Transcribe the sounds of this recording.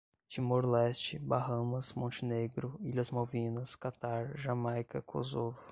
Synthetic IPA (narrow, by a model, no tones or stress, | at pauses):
t͡ʃimoɾlɛst͡ʃɪbaɦɐ̃mɐsmõnt͡ʃɪneɡɾʊiʎɐzmawvĩnɐskat̪aɾʒãmajkɐkʰo̰zovʊ